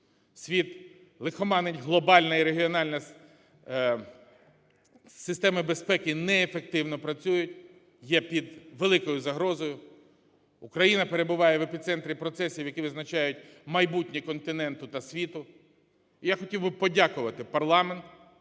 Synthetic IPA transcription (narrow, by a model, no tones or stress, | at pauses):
sʲʋʲit̪ | lˠɪxɔmɑnenʲɦlˠɔbɑlʲnɐiɾeɦʲiɔnɑlʲnɐ | sɪst̪ɛmɐbe̞spɛkɪnɛːfek̚t̪ɪwnɔpɾɐt͡sʲujʊtʲ | jɛpʲid̪ʋelˠɪkɔjʊzɐɦɾɔzɔjʊ | ʊkɾɐjinɐpe̞ɾe̞bʊʋɑjɛʋepʲit̪sɛnt̪ɾʲipɾɔt̪sɛsʲiwjɐkiʋɪznɐt͡ʃɑjʊt̚ʲmɐjbutʲnʲikɔnt̪ɪnɛnt̪ʊt̪ɐsʲʋʲit̪ʊ | ijaxɔtʲiwbɪpɔdʲakʊʋɐt̪ɪpɐrlˠɑment̪